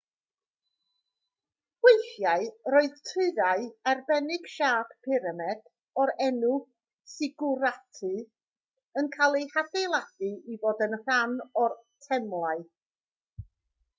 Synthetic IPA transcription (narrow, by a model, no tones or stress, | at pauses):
ɡ̥wejθjaɨɾoɨðtʰɨɨðaɨarbɛnɪɡ̥ʃaːd̥pʰɪɾəmɛd̥ | ɔɾɛnu | sɪɡʊɾatʰɨ | ənkʰalˠejhadejlˠad̥ɨiboːdənr̥anɔrtʰɛmlˠaɨ